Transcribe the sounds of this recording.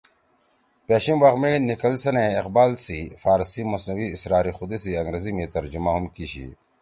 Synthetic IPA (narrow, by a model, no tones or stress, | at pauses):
peːɕimʋɐxmenikɐlsɐnẽːqbaːlsifaːɾsimɐsnɐwiːsɾaːɾixud̪esiɐŋɡɾezimẽt̪ɐɾd͡ʑumaɦumkiɕḭ